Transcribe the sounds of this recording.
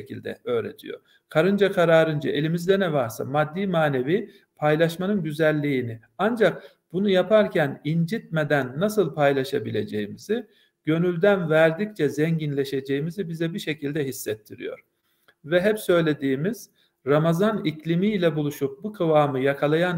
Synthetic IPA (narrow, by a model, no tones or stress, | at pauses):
cʰḭlʲd̪ɛ̰ø̞ːɾḛt̪ʰḭjo̰ɾ | kʰaɾɯnd͡ʒakʰaɾaːɾɯnd͡ʒaʔe̞lʲimizd̪ɛnɛvaɾsa̰mad̪ːiːmaːne̞vi | pʰajlˠaʃmanɯnɟyzælʲːiːni | and͡ʒak̚ | b̥unujapʰaɾcʰænind͡ʒit̪̚med̪ænːasɯlˠpʰajlˠaʃabilʲe̞d͡ʒejimizi | ɟ̥ø̞nylʲd̪ænvæɾd̪ic̚t͡ʃʰɛzɛɲɟinlʲe̞ʃe̞d͡ʒe̞jimizibizɛbiʃe̞cʰilʲd̪ɛɦisːɛt̪ʰːiɾḭjo̞̰ɾ̥ | vɛɦɛpsø̞jlʲe̞d̪iːmiz̥ | ɾamazaniclʲimilʲɛbulˠuʃup̚bukʰɯvaːmɯjakʰalˠajan